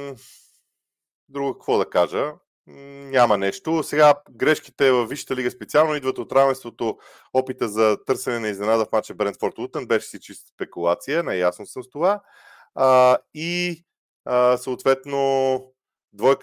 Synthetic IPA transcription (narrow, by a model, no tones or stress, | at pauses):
d̪ɾuɡʊkəkvɔd̪ɐkaʒə | nʲamɐnɛʃt̪osɛɡaɡɾɛʃki̥t̪ɛvəfvːiʃə̥t̪əliɡəspɛt̪sialˠnoid̪vət̪ot̪ɾavɛnst̪vot̪o | ɔpit̪əzɐt̪ɤɾsɛnɛnɐiznɛnad̪əfmat͡ʃɛbɾɛnt̪fɔɾt̪ut̪ənbɛʃɛ̥sit͡ʃist̪spɛkulˠat̪sijənɐjasnosəst̪ova | i | əsəoːt̪vɛt̪no | d̪vɔj